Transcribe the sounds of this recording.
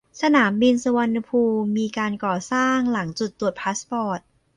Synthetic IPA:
sa˧naː˩˦mbi˧nsa˧wa˧nːa˧pʰuː˧mːiː˧kaː˧nkɔː˨˩saː˥˩ŋla˩˦ŋt͡ɕu˨˩t̪ːu˨˩ət̪̚pʰaː˦˥spɔː˨˩t̪̚

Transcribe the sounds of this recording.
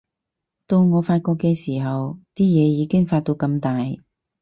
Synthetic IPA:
t̪o˧wŋɔː˨˧faː˧t̚kɔː˧kːɛː˧siː˨˩ɦɐ˨wt̪iː˥jɛː˨˧jiː˨˧kɪ˥ŋfaː˧t̪̚o˧wkɐ˧mt̪aː˨j

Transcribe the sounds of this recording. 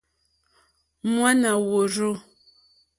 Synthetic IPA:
mwa˦na˨wo˨ɾo˦

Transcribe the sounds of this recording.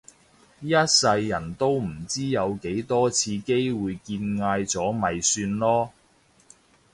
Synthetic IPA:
jɐ˥t̚sɐ˧jːɐ˨˩nt̪o˥wm̩˨˩t͡siː˥jɐ˨˧wke˨˥jt̪ɔː˥t͡sʰiː˧ke˥jwuː˨˧jkiː˧nŋaː˧jt͡sɔː˨˥mɐ˨jsyː˧nlɔː˥

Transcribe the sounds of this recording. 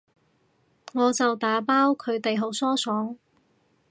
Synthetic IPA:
ŋɔː˨˧t͡sɐ˨wt̪aː˨˥paː˥wkʰɵ˨˧ɥt̪e˨jɦo˨˥wsɔː˥sɔː˨˥ŋ

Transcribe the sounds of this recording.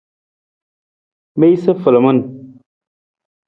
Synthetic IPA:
be˦jsə˦fə˨lə˨mə˦n

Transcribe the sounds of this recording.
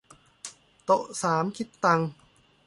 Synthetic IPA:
t̪o˨˩ʔsaː˩˦mkʰi˦˥t̪ːa˧ŋ

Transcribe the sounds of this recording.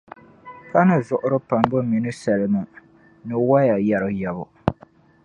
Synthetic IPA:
ka˦nɨ˨zʊ˨ʔʊ˦ɾɨ˦pa˨mbɨ˦mi˨nɨ˦sɛ˨lɨ˨mɨ˨ | nɨ˨wa˦ja˨ja˨ɾɨ˨jɛ˨βʊ̰˨

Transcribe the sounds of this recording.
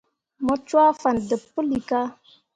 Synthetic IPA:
mɔ˦t͡ʃwa˦fa˨ndə˨pːə˦li˨ka˦

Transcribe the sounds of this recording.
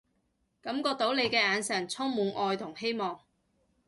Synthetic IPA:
kɐ˨˥mkɔː˧k̚t̪o˨˥wle˨˧jkɛː˧aː˨˧nsɐ˨˩nt͡sʰɔː˥ŋmuː˨˧nʔɔː˧jt̪ʰʊ˨˩ŋhe˥jmɔː˨ŋ

